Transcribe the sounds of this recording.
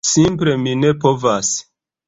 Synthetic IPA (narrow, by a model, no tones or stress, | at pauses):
simple̞mine̞povas